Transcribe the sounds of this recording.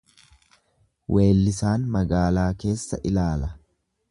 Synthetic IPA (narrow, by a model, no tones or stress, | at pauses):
wʔe̞ːlːɪsaːnmɐɡaːlaːke̞ːsːɐʔɪlaːlɐ